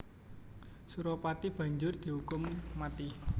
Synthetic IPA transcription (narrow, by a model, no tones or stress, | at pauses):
suɾɔpat̪ib̥ä̤ɲd͡ʒʊrd̪̥i̤hukʊmːat̪i